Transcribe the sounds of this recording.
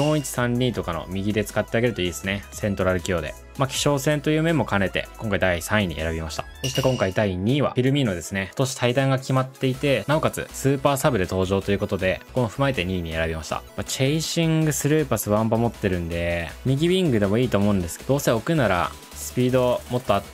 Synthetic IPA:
d̪õ̞ːit͡ɕi̥sãɲʲːiːt̪o̞kano̞̰mʲiɡʲid̪e̞t͡sɨ̥kat̪ːeaɡe̞ɾɯ̟t̪o̞iːd̪esɨne̞sẽ̞nt̪o̞ɾaɾɯ̟kʲio̞ːd̪e̞̰ | makʲi̥ɕo̞ːsẽ̞nt̪o̞jɯ̟ːmẽ̞mːo̞kane̞t̪e̞̰kõŋkaid̪aisãɰ̃iɲ̟ḭʔe̞ɾabʲimaɕi̥t̪ḁ̰so̞ɕi̥t̪ekõ̞ŋkaid̪aiɲ̟iːβa̰iɾɯ̟mʲĩno̞d̪e̞sɨne̞kot̪o̞ɕi̥t̪ʰaid̪ãŋɡakʲimat̪ːe̞it̪e̞nao̞kat͡sɨ̰sɨːpaːsabɯ̟d̪e̞t̪o̞ːʑo̞ːt̪o̞jɯ̟ko̞t̪o̞d̪e̞kokomoɸɯ̟maet̪e̞ɲ̟iːɲ̟ie̞̰ɾabʲimaɕi̥t̪a̰mat͡ɕeiɕĩŋɡɯ̟sɨɾɯ̟ːpasɨβãmpamo̞t̪ːe̞ɾɯ̟̃nd̪e̞mʲiɡʲibʲĩŋɡɯ̟d̪e̞mo̞iːt̪o̞ːmo̞ɯ̟̃nd̪esɨ̥ked̪o̞ːse̞o̞kɯ̟naɾa̰ | sɨ̥pʲiːd̪o̞mo̞t̪ːoat̪

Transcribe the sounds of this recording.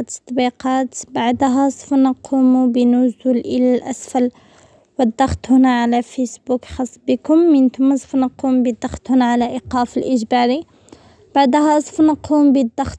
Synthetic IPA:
t̪ə̥t̪ˤːbiqɑt̪baʕd̪ɦæsˤfnɑqʰumubinʊzulʔəlælʔæsfæl | wəd̪ˤːɑxt̪ˤhʊnæʕalæfisbukxɑsˤːbəkʊmːənt̪ʊmsˤfnəqumbid̪ɑxt̪hʊnæʕalæʔiqɑfəlʔəʒbɑɾi | b̥aʕd̪hæsˤfnəqʰumbid̪ːɑxt̪

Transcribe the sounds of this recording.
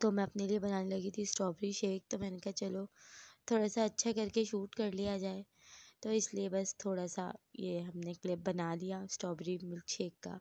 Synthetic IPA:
t̪omɛ̃ɐpneliebɐnaːnelɐɡit̪ʰisʈɔːbɾiʃeːk̚t̪omɛ̃nkat͡ʃɐlot̪ʰoːɽasaɐtːʃʰakɐɾkeʃuːʈkɐɾlijad͡ʒaːe | t̪oɪsliebɐst̪ʰoːɽasa̰jeɦɐmneklɪp̚bɐnalijaːsʈɔːbɾimɪlʃeːkːa̰ː

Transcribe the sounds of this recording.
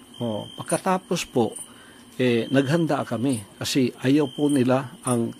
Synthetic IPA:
ʔoʔpɐɡ̚kːɐt̪aːpospoʔ | ʔɛːnɐɡɦɐnd̪akɐmɪkɐsɛʔɐjawpʊnɪlaʔɐŋ

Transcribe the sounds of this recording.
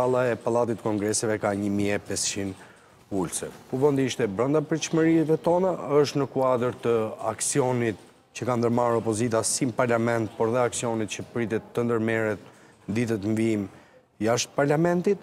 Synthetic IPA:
alˠaɛpalˠat̪it̪ːəkɔŋɡɾɛsɛvɛkaɲəmiɛpɛst͡ɕin | ulsɛpuvɔnd̪iiʃt̪ɛbɾɔnd̪apɾt͡ʃməɾiɛvɛt̪ɔnaəʃt̪nəkuad̪əɾt̪əaksiɔnit̪̚ | cəkand̪əɾmaɾɔpɔzit̪asimpaɾlamɛnt̪̚pɔɾðɛaksiɔnit̪̚cəpɾit̪ɛt̪ːənd̪əɾmɛɾɛt̪̚ | nəd̪it̪ət̪əɱvim | jaʃt̪̚paɾlamɛnt̪it̪̚

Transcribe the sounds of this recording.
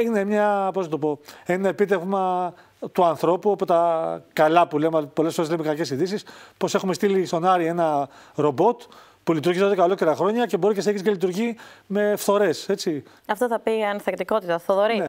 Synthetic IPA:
ine̞mɲɐpoznɐt̪opo̞enɐepit̪e̞vmɐ | t̪uɐnθɾo̞puopot̪ɐkɐlɐpulempo̞lefoelemekɐce̞siðisispo̞se̞xume̞st̪ilist̪o̞nɐɾie̞nɐɾo̞bo̞t̪ | pulit̪uɾʝizðoðekɐlo̞ce̞ɾɐxɾo̞ɲɐce̞bo̞ɾiceseçiscelit̪uɾʝime̞fθo̞ɾe̞se̞t͡si | ɐft̪oθɐpiɐnθekt̪iko̞t̪it̪ɐθoðoɾine

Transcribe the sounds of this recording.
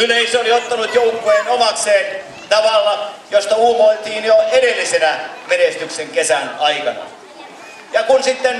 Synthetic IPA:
nyleiseoliot̪ːɑnut̪joukːˑueːnomɑkseːn | t̪ɑʋɑlːɑjost̪ɑuːmoit̪iːnjoeɾelːisenæmenest̪ykseŋkesænɑikɑnɑ̰ | jɑkunsit̪ːen

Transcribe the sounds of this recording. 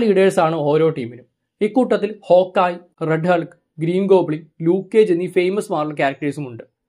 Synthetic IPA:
ɭiːɽeːsaːɳɨo̞ːɾo̞ːʈiːminum | ikːuːʈːɐt̪ːilho̞ːkːaːj | reɖɦɐɭkɨ | ɡɾiːnɡo̞ːbɭiŋluːkːeːd͡ʑenːife̞jmɐsmaːrlɐk̬ʲaːɾɐk̚ʈɐɾisumuɳɖɨ

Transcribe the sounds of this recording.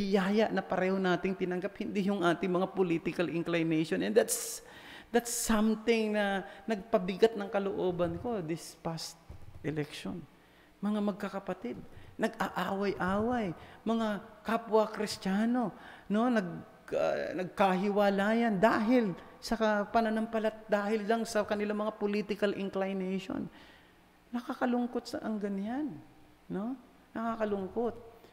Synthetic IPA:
ɪjaːjɐʔnɐpɐɾɛːho̞naːt̪ɪŋt̪ɪnɐŋɡaphɪnd̪ijʊŋʔaːt̪ɪŋmɐŋapolit̪ɪkɐlʔɪŋklajnɛjʃonʔɛ̃nd̪at̪s | d̪at̪sːɐmt̪ɪŋnɐnɐɡ̚pɐbɪɡat̪̚nɐŋkɐloʔo̞ːbɐnko̞d̪ɪspast̪̚ʔɛlɛkʃo̰n | mɐŋamɐɡ̚kɐkɐpɐt̪ɪd̪̚nɐɡʔaʔaːwɐjʔaːwɐjmɐŋakapwɐkɾɪst̪aːno̞no̞nɐɡ̰ | nɐɡ̚kaɦɪwaːlaːjɐnd̪aːɦɪl | sɐkɐpɐnɐnɐmpɐlat̪̚d̪aːhɪllɐŋsɐkɐnɪlaŋmɐŋapolit̪ɪkɐlʔɪŋklajnɛjʃo̰n | nɐkaːkɐlʊŋkot̪̚sɐ̰ʔɐŋɡɐnjanː | o̞ | nɐkakɐlʊŋkot̪̚

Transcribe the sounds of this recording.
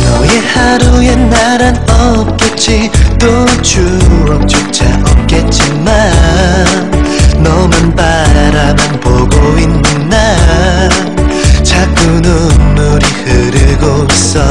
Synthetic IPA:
nʌjehaɾujenaɾanʌp̚k͈et͡ɕ͈it̪ot͡ɕuʌk̚t͡ɕok̚t͡ɕ͈a̰ʔʌp̚k͈et̚t͡ɕ͈i | ma | nnʌmunpaɾamanpoɡoinːɯnda | nt͡ɕʰak͈ununːuɾihɯɾɯɡois͈ʌ

